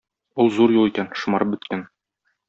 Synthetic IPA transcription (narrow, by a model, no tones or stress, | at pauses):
ulˠzuɾjulˠikænʃŭmɑɾɤp̚bɵ̆t̪kæn